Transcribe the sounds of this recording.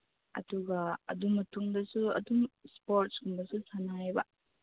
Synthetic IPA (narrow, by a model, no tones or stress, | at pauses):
ɐ̰duɡɐɐ̰dumɐtuŋdɐsuɐ̰dumspoɾt̚sɡumbɐsusanajbɐ